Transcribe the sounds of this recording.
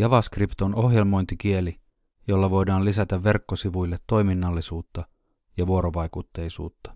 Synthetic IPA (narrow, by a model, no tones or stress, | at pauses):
jɑʋɑskript̪ono̞ɦje̞lmo̞jnt̪ik̟ie̞li | jo̞lːɑʋo̞jdɑːlisæt̪æʋːe̞rkːosiʋujlːet̪ːo̞jminːɑlːisuːt̪ːɑ | jɑʋuo̞ɾoʋɑjkut̪ːe̞jsṵːt̪ːɑ̥